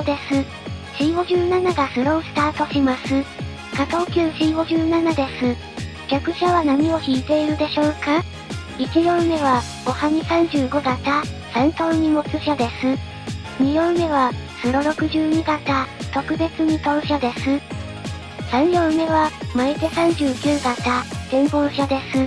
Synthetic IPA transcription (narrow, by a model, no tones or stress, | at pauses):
d̪e̞sɨ | ɕiːɡo̞ʑɨːnanaɡasɨɾo̞ːsɨ̥t̪aːt̪o̞ɕimasɨ | kat̪ookʲɨːɕiːɡo̞ʑɨːnanad̪e̞sɨ | kʲakɯ̟ɕaβanaɲ̟io̞çiːt̪e̞iɾɯ̟d̪e̞ɕo̞ːka | it͡ɕijõ̞me̞βḁ | o̞haɲ̟isãɲ̟d͡ʑɨːɡo̞ɡat̪asãnt̪oːɲ̟imo̞t͡sɨɕad̪e̞sɨ | ɲ̟ijõ̞me̞βasɨɾo̞ɾo̞kɯ̟ʑɨːɲ̟iɡat̪at̪o̞kɯ̟be̞t͡sɨɲ̟it̪oɯɕad̪e̞sɨ | sãɰjõɰme̞βamait̪e̞sãɲ̟d͡ʑɨːkʲɨːɡ̪at̪ad̪̥ẽ̞mɡo̞ːɕad̪e̞sɨ